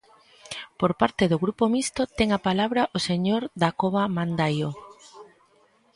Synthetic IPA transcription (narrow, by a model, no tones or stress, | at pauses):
poɾpaɾt̪eðʊɣɾupomist̪ot̪ɛŋapalaβɾaʔoseɲoɾd̪akoβamand̪ajo